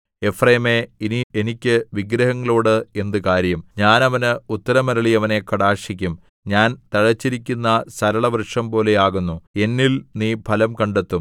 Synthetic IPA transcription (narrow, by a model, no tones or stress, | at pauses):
e̞freːmeinienikʲːɨʋiɡɾɐɦɐŋːɐɭoːɽɨe̞nd̪ɨkaːɾjɐmɲaːnɐʋɐnɨut̪ːɐɾɐmɐɾɐɭiɐʋɐne̞kɐɽaːʂikʲːum | ɲaːnt̪ɐɻɐt͡ɕːiɾik̬ʲːunːɐsɐɾɐɭɐʋrɨʂɐmpo̞ːle̞jaːɣunːue̞nːilniːpʰɐlɐmkɐɳɖet̪ːum